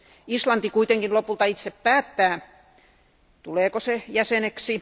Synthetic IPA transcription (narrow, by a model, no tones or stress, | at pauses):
islɑnt̪ikuit̪eŋkinlopult̪ɑit̪seppæːt̪ːæː | t̪uleːkosejæseneksi